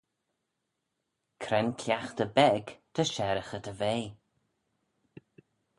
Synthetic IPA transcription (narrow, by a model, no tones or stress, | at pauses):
kʰɾɛnkʰlʲjaxt̪əbɛɡt̪ʰəʃɛɾəxət̪ʰəveː